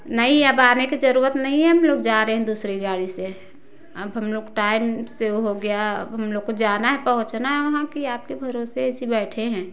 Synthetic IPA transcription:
nɐɦĩəbaːnekid͡ʒɐɾuːɾət̪nɐɦĩɦɛɦɐmloːɡd͡ʒaːɾəeɦɛ̃d̪uːsɾiɡaːɽise | ɐbɦɐmloːɡʈaːɪmseoɦoɡejaə̰bɦɐmloːɡkod͡ʒaːnaɦɛpɐɦʊ̃t͡ʃnaɦɛʋɐɦãkiaːp̚kibʱɐɾoːseɛsibɛːʈʰeɦɛ̃ː

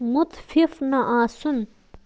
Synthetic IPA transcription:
mut̪fifnɐʔãːsun

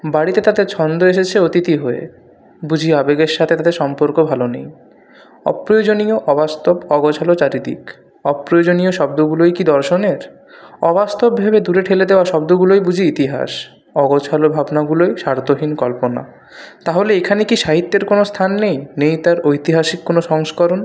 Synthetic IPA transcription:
baɽit̪et̪ad̪eɾt͡ɕʰɔnd̪oeʃet͡ɕʰeot̪it̪iɦoḛ | bud͡ʑʱiabeɡeɾʃat̪ʰet̪at̪eɾʃɔmpoɾkobʱalonḛj | ɔ̰pɾojod͡ʑonioʔɔbast̪obɔɡot͡ɕʰalot͡ɕaɾid̪ḭk | ɔpɾojod͡ʑonioʃɔbd̪oɡulojkid̪ɔɾʃoneɾ | ɔbast̪obbʱebed̪uɾeʈʰeled̪eoaʃɔbd̪oɡulojbud͡ʑʱiit̪iɦa̰ʃ | ɔɡot͡ɕʰalobʱabnaɡulojʃaɾt̪oɦinkɔlpona̰ | t̪aɦoleekʰanekiʃaɦit̪ːeɾkonost̪ʰanːejnejt̪aɾojt̪iɦaʃikːonoʃɔŋskɔɾon

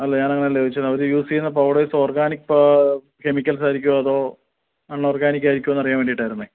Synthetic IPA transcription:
ɐlːeɲaːnɐŋːɐnelːeʋit͡ɕːɐɐʋɐɾujuːsiunːɐp̬ɐwɖejsoːrɡaːnikːp | ke̞mikʲːɐlsaːjɾikʲːuɐðo̞ː | ɐɳːoːrɡaːnikʲːaːjɾikʲːuoenːɐrijaːnʋeːɳɖiʈːaːjiɾunːɨ

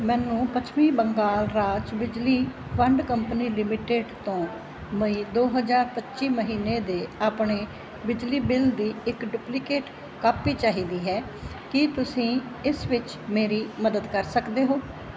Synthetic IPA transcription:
mɛːnũːpət͡ʃʰmĩːbəŋɡaːlɾaːt͡ʃbɪd͡ʒliːʋəɳɖkəmpəniːlɪmɪʈeːɖt̪õː | məiːd̪oːɦəzaːɾpətːʃiːməɦiːneːd̪eːaːpɳeː | bɪd͡ʒliːbɪld̪iːɪkɖʊːplɪkeːʈ | kaːpiːt͡ʃaːɦiːd̪iːɦɛː | kɪt̪ʊsĩːɪsʋɪt͡ʃ | meːɾiːməd̪əd̪kəɾsəkd̪eːɦoː

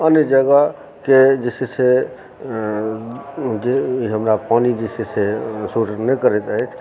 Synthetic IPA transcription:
ənːɪd͡ʒəɡa | ked͡ʒesese | d͡ʒeiɦəmɾapanid͡ʒisesesuʈnekəɾɛt̪əɦɛt͡ʃʰ

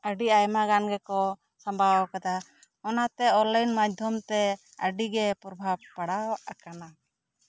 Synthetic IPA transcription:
əɖiajmaɡanɡɛkɔ | sambʱawkad̪a | ɔnat̪ɛɔlajnmad͡ʒd̪ʱjɔmt̪ɛ | əɖiɡɛpɾɔbʱab̚paɽawaʔakana

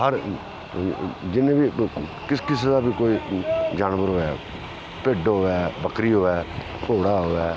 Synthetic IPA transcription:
ɦəɾ | d͡ʒɪnẽːbiːkɪskɪsed̪aːbiːkoːiːd͡ʒaːnʋəɾɦoːɛː | peːɖɦoːɛːbəkɾiːɦoːɛː | ʈoːɽaːɦoːɛː

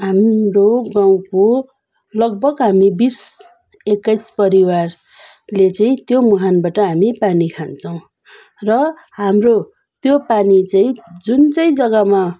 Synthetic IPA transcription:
ɦamroɡaw̃ko | lʌɡ̚bʌɡɦamibis | ekːʌjspʌɾiwar | let͡saĩt̪jomuɦanbaʈʌɦamipanikʰant͡sʰʌw̃ | rʌ | ɦamro | t̪jopanit͡saĩd͡zunt͡sʌĩd͡zʌɡʌma

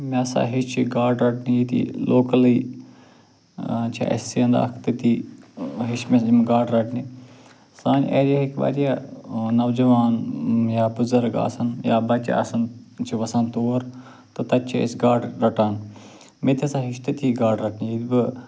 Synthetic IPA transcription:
mẽɐsa̰ːɦiʃt͡ʃʰiɡaːɖɾɐʈnijit̪ḭlʔoːkɐliː | t͡ʃʰḭʔḛsiɐ̃nd̪a̰kʰt̪ɐt̪i | ɦiʃmemɡaːɖɾɐʈʰni | saːnḛːɾijaɦikʋa̰ːɾijaːnɐʋd͡ʒɐʋaːnjaːbʊzɐɾɡa̰ːsɐnja̰ːbɐt͡ʃa̰ɐ̰sɐnt͡ʃʰiʋɐsãːnt̪oːɾ | t̪ɨt̪ɐt͡ʃʰiḛsɡaːɖɾɐʈaːn | met̪ʰiɐsãːɦɪʃt̪ɐt̪ʰiɡaːɖɾɐʈʰnijit̪bɨ

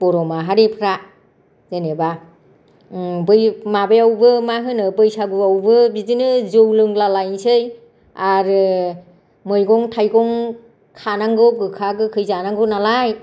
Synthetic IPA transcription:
b̥ɔɾɔmaɦaɾepʰɾa | zeneba | bɯjmabejawbɯmaɦɯnɯbɯjsaɡuawbɯbidinɯzɯwlɯŋlalajnsɯj | aɾɯ | mɯjɡɔŋtʰajɡɔŋ | kʰanaŋɡɯw̚ɡɯkʰaɡɯkʰɯjzanaŋɡɯwnalaj

